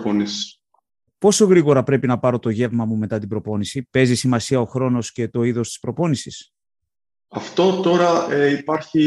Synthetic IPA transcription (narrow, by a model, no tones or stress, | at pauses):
ponis | po̞so̞ɣɾiɣo̞ɾɐpɾe̞pinɐpɐɾo̞t̪o̞ʝe̞vmɐmume̞t̪ɐt̪ibɾo̞po̞nisipe̞zisimɐsiɐo̞xɾo̞no̞sce̞t̪o̞iðo̞st̪i̥spɾo̞po̞nisis | ɐft̪o̞t̪o̞ɾɐeipɐɾçi